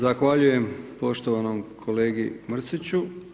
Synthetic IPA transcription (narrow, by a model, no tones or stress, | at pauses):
zaxʋaʎuje̞mpo̞ʃt̪oʋanomkʰole̞ːɡimr̩sit͡ɕu